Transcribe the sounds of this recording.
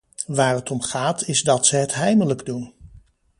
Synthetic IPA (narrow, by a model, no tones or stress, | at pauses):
ʋaːɹɦətɔmχaːtʰɪzdɑtsəɦətɦɛjmələɡdun